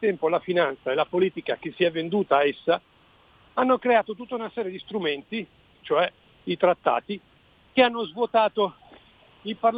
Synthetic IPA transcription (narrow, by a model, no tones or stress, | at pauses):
t̪ɛmpolafinant̪saelapoliːt̪ikak̟esːiɛvːend̪uːt̪aːesːa | anːokɾeaːt̪ot̪̬ut̪ːaunasɛːɾjed̪ist̪ɾument̪i | t͡ʃoɛ | it̪ɾat̪ːa̰ːt̪i | k̟eanːozvwot̪aːt̪o | ilparl